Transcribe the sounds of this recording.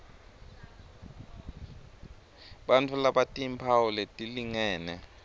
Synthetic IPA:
ɓantʰulaɓatʼimpʰawulɛtʼiliŋɛːnɛ

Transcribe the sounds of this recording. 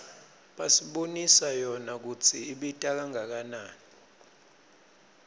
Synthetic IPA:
ɓasiɓonisajɔnak̬ut͡sʰiːɓitʼak̬aŋak̬anaːni

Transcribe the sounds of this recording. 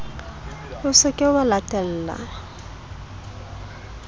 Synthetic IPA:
ʊsɪkʼɪʊbalatʼɛl̩ːla̰

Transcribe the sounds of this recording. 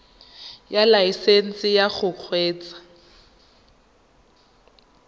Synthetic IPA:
jalaisen̩sɪjaχʊq͡χʰweːt͡sḁ

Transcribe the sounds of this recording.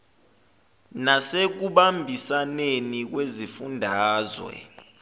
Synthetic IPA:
nasek̬uɓambʱisanenik̬wezifundʱaːzwɛ̰

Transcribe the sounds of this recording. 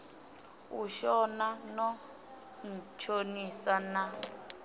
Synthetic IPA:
uʃɔnanɔ | n̩t͡ʃʰonisana

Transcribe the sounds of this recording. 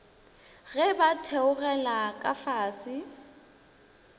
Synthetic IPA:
ɣɛbatʰɛʊɣɛlakʼafaːsɪ

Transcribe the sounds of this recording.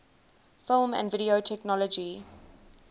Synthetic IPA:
fɪlˠmə̰̃ndvɪɾiotʰɛknɔlɔd͡ʒi

